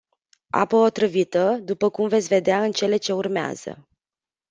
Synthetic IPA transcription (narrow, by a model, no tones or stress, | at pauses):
a̰pəo̞t̪ɾɨvit̪əd̪upəkumvet̪sʲve̞d̪eaɨnt͡ʃe̞le̞t͡ʃe̞urmea̰z̥ə̰